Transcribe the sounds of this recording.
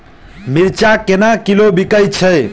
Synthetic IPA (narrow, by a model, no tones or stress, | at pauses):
miɾt͡ʃakenakilobikəjt͡ʃʰəj